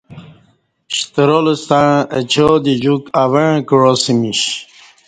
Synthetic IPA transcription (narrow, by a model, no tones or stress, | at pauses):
ɕt̪əɾolust̪ãət͡ɕʰod̪id͡ʑukaweɻ̃kɻosimiɕ